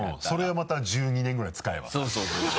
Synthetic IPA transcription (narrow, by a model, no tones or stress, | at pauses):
so̞ɾe̞omat̪aʑɨːɲ̟inẽŋɡɯ̟ɾait͡sɨ̥kaḛβa̰soːsoːso